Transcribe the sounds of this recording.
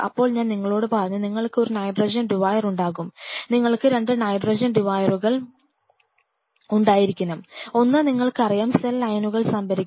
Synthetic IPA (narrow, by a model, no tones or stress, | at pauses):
ɐ̰pːo̞ːɭɲaːnniŋːɐɭo̞ːɽɨpɐːrɐɲːɐniŋːɐɭkɨo̞ɾunɐjɖrɐd͡ʑɐnɖiʋaːjɐruɳɖaːɣumniŋːɐɭkɨɾe̞ɳɖɨnɐjɖrɐd͡ʑɐnɖiʋaːjɐruɣɐɭ | uɳɖaːjiɾikʲːɐnɐmo̞nːɨniŋːɐɭkɨɐrijaːmselːɐjnuɣɐɭsɐmbɐɾikʲː